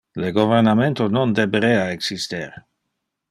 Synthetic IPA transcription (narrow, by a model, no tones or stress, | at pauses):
leɡovernament̪onond̪ebeɾeaeksist̪eɾ